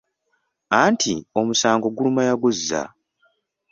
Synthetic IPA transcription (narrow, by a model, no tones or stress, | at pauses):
antʰio̞musaːŋɡo̞ɡulumajaɡuzːa̰